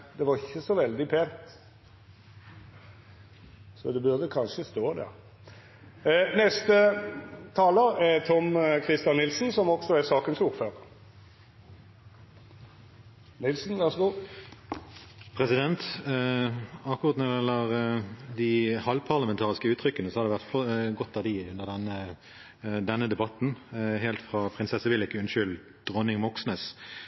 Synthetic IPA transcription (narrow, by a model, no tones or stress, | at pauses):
d̪ɛʋɑʁɪçːəsɔʋɛld̪ɪpʰeːnt̪ | sɔ̰d̪ɛbʉʁd̪əkʰɑnʂəst̪oːd̪æ̰ʁ | nɛst̪ət̪ʰɑːləɛt̪ʰɔmkʰʁɪst̪ɑnːɪlsn̩sɔmɔksɔɛsɑːkənsʊʁføːʁ | nɪlsn̩ʋæʁsɡo | pʰʁɛsɪd̪ɛnt̪ | ɑkːʊʁɑt̪nɛɛlːəʁd̪ɪhɑlpʰɑʁləmɛnt̪ʰɑːʁɪskəʉːt̪ʰɾʏkːənəsɔhɑd̪ɛʋæʁt̪fɔɡɔt̪ːɑʋd̪ɪʉnəʁd̪ɛnːə | d̪ɛnːəd̪ɛbɑt̪n̩ɦeːlt̪fʁɑpʰʁɪnsɛsəʋɪlɪkːəʉnʃʏl | d̪̥ʁɔnɪŋmɔksnəs